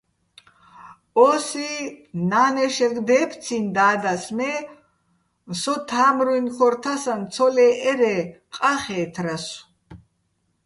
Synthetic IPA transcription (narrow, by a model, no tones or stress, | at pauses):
ɔsinaːnɛʃɛɡd̪ɛːpʰt̪t͡sʰind̪aːd̪asmɛ | sɔt̪ʰaːmɾuinχʰɔɾt̪ʰasant̪t͡sʰɔlɛʔɛɾɛ | qʼaχɛːt̪ʰɾas